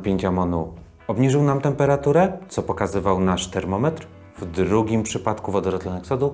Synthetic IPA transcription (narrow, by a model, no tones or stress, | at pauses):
pʲjeɲʲt͡ɕamɔnu | ɔbɲiʐɘwnamt̪ɛmpɛɾat̪uɾɛt̪sɔpɔkazɘvawnaʂt̪ɛɾmɔmɛt̪ɾ | vd̪ɾuɡʲimpʂɘpat̪kuvɔd̪ɔɾɔt̪lɔnɛksɔd̪u